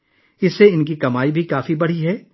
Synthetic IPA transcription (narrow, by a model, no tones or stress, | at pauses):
ɪsːeɪnkikɐmaːibʱikaːfibɐɽ̤iɦɛː